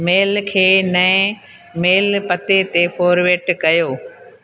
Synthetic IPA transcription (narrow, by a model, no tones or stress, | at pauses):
meːlkʰeːnɐẽ | meːlpɐt̪et̪efoːɾʋeːʈkɐjoː